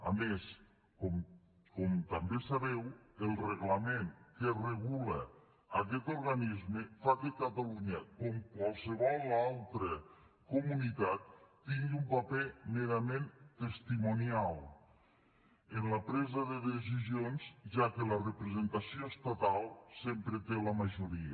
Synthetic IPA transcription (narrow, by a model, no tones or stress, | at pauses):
a̰mes | kɔ | kɔmt̪ambesaβɛwəlˠreɣlameŋkereɣ̞ulə | ak̬ɛt̪uɾɣanizmefakekat̪aluɲəkɔmkwalˠsəβɔlˠːalˠt̪ɾə | kumunit̪at̪̚ː | iŋɡumpapemeɾament̪est̪imunialˠ | enləpɾɛzəðəðes̬izionzʒakələrəpɾəzent̪asioest̪at̪alˠsempɾət̪eləmaʒuɾiə